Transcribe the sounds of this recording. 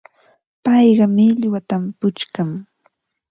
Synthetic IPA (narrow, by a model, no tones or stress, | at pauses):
pɑjɢɑmɪʎwat̪ampʊt͡ʃkaŋ